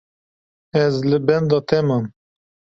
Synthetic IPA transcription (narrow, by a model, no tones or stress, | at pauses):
ɛzlɨbɛnd̪ɑːt̪ʰɛmɑn